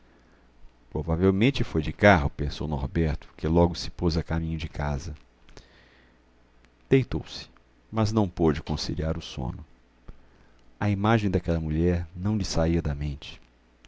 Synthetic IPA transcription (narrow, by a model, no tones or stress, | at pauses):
pɾovavewmẽnt͡ʃɪfojd͡ʒɪkaɦʊpẽsownoɾbɛɾt̪ʊ̥kɪlɔɡʊsɪ̥pozɐkamĩɲʊd͡ʒɪkʰazɐ | d̪̥ejt̪owsɪ̥ | mɐznɐ̃w̃pod͡ʒɪkõsḭliaɾʊsõ̰nʊ | ɐimaʒẽj̃d̪ɐkɛlɐmuʎɛɾnɐ̃w̃ʎɪsaiɐd̪ɐmẽnt͡ʃɪ̥